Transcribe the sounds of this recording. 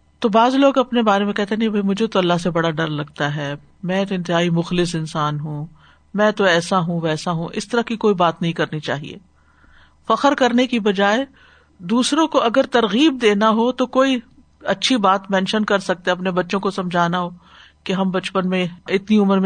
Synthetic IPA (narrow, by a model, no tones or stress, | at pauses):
t̪obaːzloːɡɐpnebaːɾemẽkɛɦt̪eɦnɐɦĩbʱɐimʊd͡ʒʱet̪oɐlːaɦsebɐɽaɖɐɾlɐɡ̚t̪aɦɛː | mɛ̃ːt̪oɪ̃nt̪ɪɦaːimʊxlɪsɪ̃nsaːnɦũ | mɛ̃ːt̪oɛːsaɦũʋɛːsaɦũʔɪst̪ɐɾəkikoːibaːt̪nɐɦĩkɐɾnit͡ʃa̰ːɦḭḛː | fɐxəɾkɐɾnekibɐd͡ʒaːe | d̪uːsɾõkoʔɐɡəɾt̪ɐɾɣiːb̚d̪eːnaɦot̪okoːi | ɐtːʃʰibaːt̪mɛ̃ːnʃənkɐɾsɐk̚t̪ẽɐpnebɐtːʃõkosɐ̃md͡ʒʱaːnaɦoː | keɦɐmbɐt͡ʃpənmẽɪt̪niʊməɾmẽ